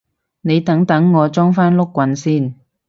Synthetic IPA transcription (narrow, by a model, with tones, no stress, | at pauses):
ne˨˧jt̪ɐ˨˥ŋt̪ɐ˨˥ŋːɔː˨˧t͡ʃɔː˥ŋfaː˥nlʊ˥kːwɐ˨˧nsiː˥˩n